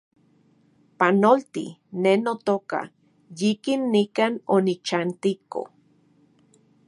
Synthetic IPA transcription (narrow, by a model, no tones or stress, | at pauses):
panolt̪ḭnenot̪oka̰ | jikinːikaːnonit͡ʃant̪iko̰